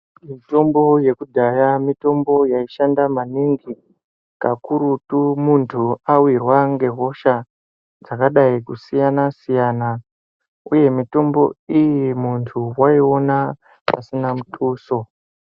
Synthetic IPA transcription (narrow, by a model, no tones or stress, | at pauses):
mito̞mbo̞je̞kudʱajamito̞mbo̞jaiʃandamaniŋɡi | kakuɾutumuntʰuawirwaŋɡe̞ɦo̞ʃa | d͡zakaɗaikusijanasijaːna | uje̞mito̞mbo̞̰ijimuntʰuwaio̞na | pasinamutʰʼuːso̞